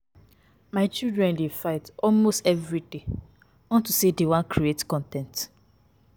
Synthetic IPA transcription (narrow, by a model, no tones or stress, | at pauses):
maɪt͡ʃildɹɛ̃ndefaɪtɔlmostɛvɹide | ɔ̃ntusedewãnkɾietkɔ̃ntɛ̃nt